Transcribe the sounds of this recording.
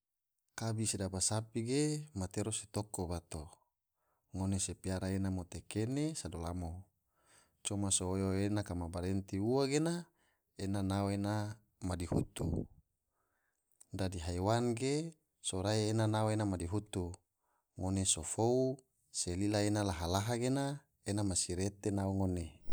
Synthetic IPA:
kabisedabasapiɡemat̪eɾose̥t̪okobat̪o | ŋonesepiaɾaenamot̪ekenesadolamo | t͡ʃomasoojoenakamabaɾent̪iuwaɡena | enanawoena | madiɦut̪ṵ | dadiɦajwanɡe | soɾaienanaoenamadiɦut̪u | ŋonesofou | selilaenalaɦalaɦaɡena | enamasiɾet̪enaoŋone

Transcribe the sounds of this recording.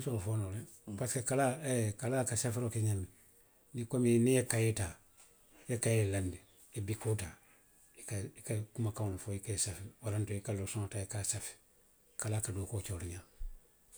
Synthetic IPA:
sɔɾɔfoːnole | paskekalakalaːkasafiɾokeɲãmi | nikominĩjekajetaː | jekajelandi | ebikoːtaː | ikaikakumakawnofoikaesafiwaɾantoikalosɔ̃ŋataekasafi̥ | kalaːkadoːkoːt͡ʃoːɾiɲãː

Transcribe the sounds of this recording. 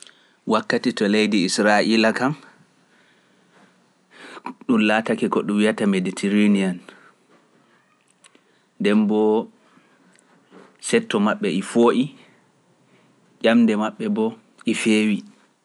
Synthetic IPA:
wakːatitɔlejdiisɾaʔilakam | ɗumlaːtakɛkɔɗumwijatameditʰiɾinian | ndɛnbɔ | sɛtːɔmaɓːɛifoːʔi | ʄamdɛmaɓːɛbɔ | ʔifeːwi

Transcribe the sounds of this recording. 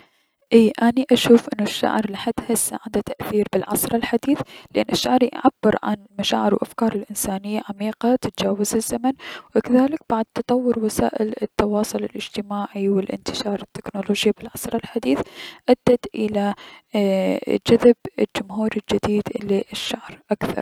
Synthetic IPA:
ʔiːʔaniʔaʃuːfʔɪnːʊʃːa̰ʕɾˤlaħad̪hɪsːaʕɪnd̪at̪aʔθiːɾbɪlʕɑsˤɾˤɑlħad̪iːθlɪʔanːʔɪʃːaʕɾjʔʕabːɪɾʕa̰nlmaʃa̰ːʕɪɾwʔa̰fkɑːɾˤɪlʔɪnsaːnɪjːaʕamiːqat̪ɪt̪d͡ʒaːwazɪzːamanwɪkaðaːlɪk̚b̥aʕd̪̚t̪ɑt̪ˤɑwːʊɾwasa̰ːʔɪlɪt̪ːɑwɑːsˤʊlɪlʔɪd͡ʒt̪ɪmaːʕiwɪlʔɪ̰nt̪ɪ̥ʃɑːɾˤɪt̪ːɪ̥knoloːd͡ʒjabɪlʕɑsˤɾˤɑlħad̪iːθʔad̪ːat̪ʔɪla | d͡ʒaðabɪld͡ʒʊmhuːɾɪld͡ʒɪd̪iːd̪ʔɪlːiʔɪʃːaʕɾʔakθɑ̰ɾˤ

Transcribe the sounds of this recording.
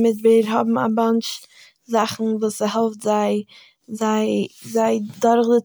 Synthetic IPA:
mɪdbeɾɦɔbm̩a̰mant͡ʃ | zaχn̩vuːsəɦɛlˠftzaɪ | zaɪzaɪdɔɾχdə

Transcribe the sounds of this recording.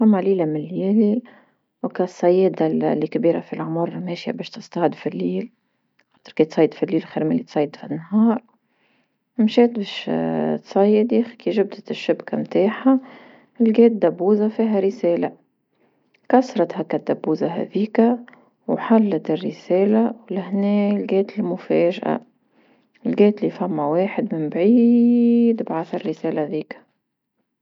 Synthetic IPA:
amːaliːlamɪnljiːli | wkæsˤːɑjɛːd̪alːikbiːɾa̰filʕʊmʊɾˤmɛːʃja̰bɛːʃt̪əst̪ɑʕɪd̪filːiːl | xɑːt̪əɾkit̪sˤɑjːəd̪filːiːlxiːɾmilːit̪sˤɑjːəd̪finːɦɑːɾˤ | mʃɛːt̪bɛːʃt̪sˤɑjːəd̪ixkiʒʊb̚d̪ət̪ɪʃːɪbkamt̪aːħa | ɪlɡɛːt̪̚d̪æbːuːzafiːɦæɾɪsɛːla | kɑsɾˤɑt̪hækæd̪æbːuːzaɦɛ̰ðiːkæ | wħalːat̪ɪrːɪsɛːlawlæhnɛːlɡɛːt̪ɪlmʊfɛːʒʔa̰ | ɪlɡɛːt̪liːfæmːæweːħɪd̪mɪnbʕiːd̪bʕaθɪrːɪsɛːlæðiːkæ̥

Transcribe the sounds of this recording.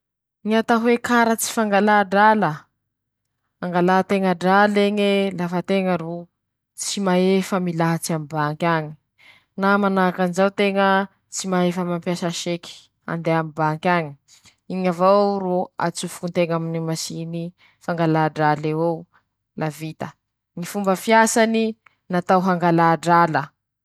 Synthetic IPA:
ɲat̪aɦwekaɾət͡si̥faŋɡalaɖ͡ʐalə | aŋɡalat̪eŋəɖ͡ʐaleɲelafət̪eŋəɾu | t͡simaefəmilaɦat͡siamibaŋkʲaɲi̥ | namanakanzawt̪eŋə | t͡simaefəmampjasaʃeki̥ | a̰nd̪eamibaŋkʲaɲi̥ | iɲavaroa̰t͡sufunt̪eŋaminimasini | faŋɡalaɖ͡ʐalewe | lavit̪ə | ŋifumbəfiasani | nat̪awɦaŋɡalaːɖ͡ʐalə

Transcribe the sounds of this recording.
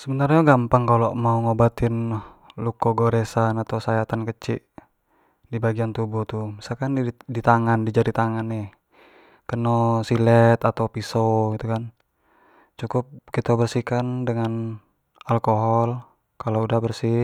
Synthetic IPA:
səbənarɲaɡampaŋkalomauŋobat̪ɪnlukɔɡoɾɛsanat̪awsajat̪ankət͡ʃiʔ | dibaɡiant̪ubut̪umisalkanidit̪aŋandid͡ʒadit̪aŋanɛh | kənɔsilɛt̪at̪awpisoɡit̪ukan | t͡ʃukʊp̚kit̪abərsikandəŋan | alkoɦɔl | kaloudahbərsi

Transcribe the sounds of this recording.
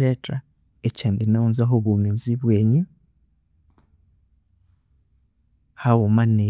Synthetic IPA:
eta | eceːndinaunzaɦoβumiːnziβweːɲu | hawomane

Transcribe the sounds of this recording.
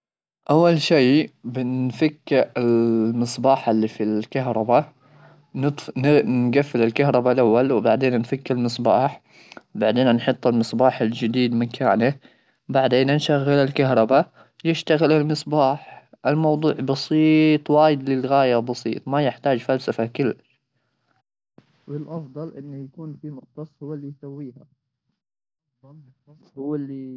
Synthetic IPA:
ʔawːalʃiːbɪnfakːalmɨsˤbɑːħalːifilkaɦɾˤɑba | nt̪ˤnnɡafːɪlɪlkaɦɾˤɑbalʔawːalwbaʕd̪eːnanfakːalmɨsˤbɑːħ | baʕd̪eːnanħʊt̪ˤːɪlmɨsˤbɑːħald͡ʒɪd̪iːd̪mɪnkʰa̰ːna | baʕd̪eːnanʃaɣːɪlalkaɦɾˤɑba | jɪʃt̪aɣɪlalmɨsˤbaːħʔɪlmɑwd̪ˤuːʕbɑsˤiːt̪ˤwaːjɪd̪lɪlɣaːjabɑsˤḭːt̪ˤmajɪħt̪aːd͡ʒfalsafakɪlːaʃ | wɪlʔɑfd̪ˤɑlʔɪnːajakuːnfimʊqt̪ɑsˤhʊwːalːijsawːiːha | hʊwːalːi

